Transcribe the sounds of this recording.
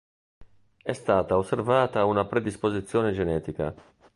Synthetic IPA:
ɛst̪aːt̪aosːervaːt̪aunapɾed̪ispozit̪sːjoːned͡ʒenɛːt̪ika̰

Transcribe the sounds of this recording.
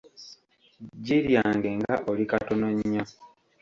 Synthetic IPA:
ɟiɾjaːŋɡe̞ŋɡaʔolikatonoɲːa

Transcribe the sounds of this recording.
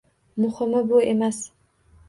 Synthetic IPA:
mʊχɨmabʊemas

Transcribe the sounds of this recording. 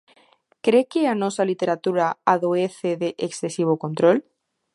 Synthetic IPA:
kɾekeanosalit̪e̞ɾat̪uɾaaðoeθeðeʔeksθesiβ̞okont̪ɾol

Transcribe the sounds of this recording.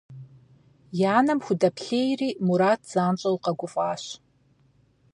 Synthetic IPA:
jaːnɐmxʷʊdɐpʰɬeːjriːmuɾaːtʰz̥aːnt͡ʃʷʼɐwqɐɡʷʊfʼaːɕ

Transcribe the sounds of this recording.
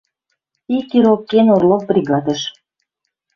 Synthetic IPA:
ikːiɾokkːenorlok̚brʲiɣɑd̪ə̆ʃ

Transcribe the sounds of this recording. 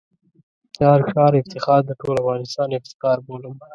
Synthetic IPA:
t͡ʃɑːɾʃɑːɾɪft̪ɪxɑːɾd̪əʈolavɣɑːnɪst̪ɑːnɪft̪ɪ̥xɑːɾboləm

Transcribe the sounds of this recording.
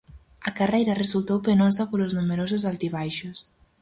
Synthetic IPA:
ɐkarejɾɐresult̪owpenosapoloznumeɾos̬ozalt̪iβ̞ajʃʊs

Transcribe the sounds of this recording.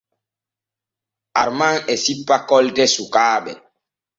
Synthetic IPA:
a̰ɾmaŋɛsipːakɔltɛsukaːɓɛ

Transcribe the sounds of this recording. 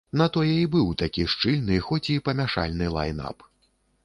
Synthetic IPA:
nɐt̪ɔjɛibɨwt̪akʲiʂt͡ʂɨlʲnɨxɔt͡sʲipɐmʲaʂa̰lʲnɨlˠa̰jna̰p

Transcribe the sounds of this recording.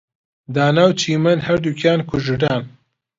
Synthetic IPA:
d̪aːnaːwt͡ʃʰiːmɨnhɐɾd̪uːkʰjaːnkʰʊʒɨɖaːn

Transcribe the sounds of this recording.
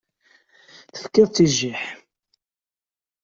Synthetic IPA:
θə̥fkːɪðt͡sːiʒːiħ

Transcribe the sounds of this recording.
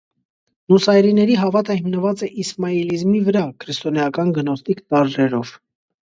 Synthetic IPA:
nusɑjɾinɛɾiɦɑvɑt̪əhimnəvɑt͡sɛʔismɑilizmivəɾɑkʰɾist̪ɔnɛjɑkɑnɡənɔst̪ikt̪ɑɾrɛɾɔv̥

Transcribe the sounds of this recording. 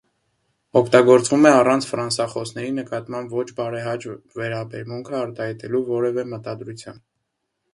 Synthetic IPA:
ɔkʰt̪ɑɡɔɾt͡svumɛɑrɑnt͡sʰfɾɑnsɑχɔsn̪ɛɾinəkɑt̪mɑmbvɔt͡ʃʰbɑɾɛɦɑt͡ʃ | vɛɾɑbɛɾmuŋkʰəɑɾt̪ɑhɑjt̪ɛluvɔɾɛvɛmət̪ɑd̪ɾut͡sʰjɑ̰n

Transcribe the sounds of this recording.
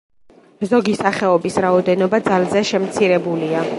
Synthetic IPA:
zɔɡisaχɛɔbisɾaɔd̪ɛnɔbad̪zalzɛʃɛmt̪sʰiɾɛbulia

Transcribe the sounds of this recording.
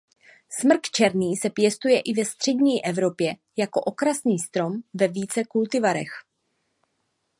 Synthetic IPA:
smr̩kt͡ʃɛɾniːsɛpjɛst̪ujɛʔɪvɛst̪r̥ɛdɲiːʔɛvɾo̞pjɛ | jako̞ʔo̞kɾasniːst̪ɾo̞mvɛviːt͡sɛkult̪ɪvaɾɛ̰x

